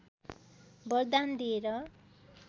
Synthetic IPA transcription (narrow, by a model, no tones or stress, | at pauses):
bʌrd̪and̪ieɾʌ